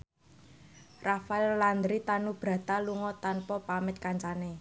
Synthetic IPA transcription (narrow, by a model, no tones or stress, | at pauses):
rafaɛlland̪ɾit̪anub̥ɾä̤t̪aluŋɔt̪anpɔpamɪt̪̚kaɲt͡ʃane